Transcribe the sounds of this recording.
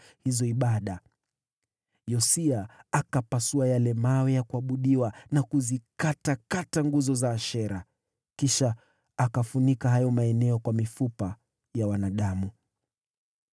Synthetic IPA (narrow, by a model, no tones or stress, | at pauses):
hizɔiɓaɗa | jɔsiaakapasuajalɛmawɛjakuaɓuɗiwanakuzikatakataŋɡuzɔzaːʃɛɾa | kiʃaː | kafunikaɦajɔmaɛnɛɔkwamifupa | jawanaɗamu